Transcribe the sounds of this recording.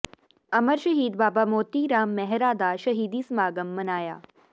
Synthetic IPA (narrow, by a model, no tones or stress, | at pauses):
ɐməɾʃɐɦiːd̪baːbaːmoːt̪iːɾaːmːɛɦɾaːd̪aʃɐɦiːd̪iːsmaːɡəmːɐnaːja̰ː